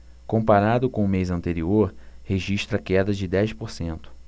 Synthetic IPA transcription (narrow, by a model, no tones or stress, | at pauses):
kõmpaɾad̪ʊkõʊmejzɐ̃nt̪eɾioɾheʒiʃt̪ɾɐkɛd̪ɐd͡ʒɪd̪ɛjspoɾsẽnt̪ʊ̥